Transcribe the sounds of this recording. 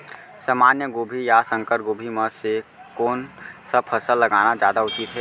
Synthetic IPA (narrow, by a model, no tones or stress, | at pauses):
səmaːnjəɡoːbʱijasə̃ŋkəɾɡoːbʱiməsekoːnsəb̚pʰəsəlːəɡaːnad͡ʒjaːd̪aʊt͡ʃit̪ɦɛː